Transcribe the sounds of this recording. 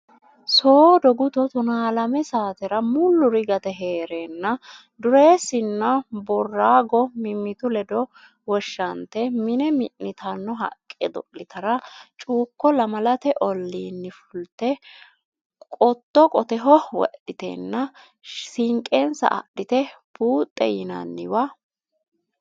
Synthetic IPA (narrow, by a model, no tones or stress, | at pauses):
soːd̪ɔɡʊt̪ɔt̪ʊnaːlɐmɛsaːt̪ɛɾɐmʊlːʊɾɪɡɐt̪ɛɦeːɾenːɐ | d̪ʊɾe̞ːsɪnːɐbɔrːaːɡɔmɪmːɪt̪ʊlɛd̪ɔ | wɔʃːɐnt̪ɛmɪnɛmɪʔːɪt̪ʰɐnːɔɦɐ̰kʼːɛd̪ɔɪt̪ɐɾɐt͡ʃʼuːkːɔlɐmɐlɐt̪ɛʔɔlːiːnːɪfʊlt̪ːɛ | kʼɔt̪ːɔkʼɔt̪ɛɦɔwɔ̰ʔɪt̪ɛ̰nːɐ | sɪŋkʼensɐ̰ʔɐ̰ɗːɪt̪ɛ | b̥uːt̪ʼːɛjɪnɐ̰nːɪwɐ